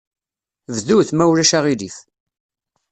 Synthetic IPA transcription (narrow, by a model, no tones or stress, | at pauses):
vðuθmæwɾæʃaʁiliθ